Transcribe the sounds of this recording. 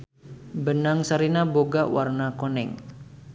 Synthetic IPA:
bənaŋsaɾinaboɡawarnakonɛ̰ŋ

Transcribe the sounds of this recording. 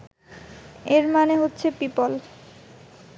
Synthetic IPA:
eɾmaneɦotːɕʰepipol

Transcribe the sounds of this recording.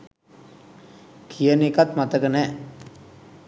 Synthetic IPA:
kʰijənekat̪mat̪əkənɛ

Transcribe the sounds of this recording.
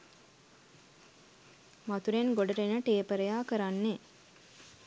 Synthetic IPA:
mat̪uɾenɡoɖəɾenəʈeːpəɾəjaːkəɾanːe

